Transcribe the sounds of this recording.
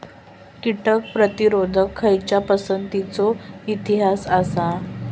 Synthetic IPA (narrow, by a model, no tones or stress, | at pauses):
kiʈək̚pɾət̪iɾod̪ʱəkʰːəjt͡ɕapəsənt̪it͡soit̪iɦasasa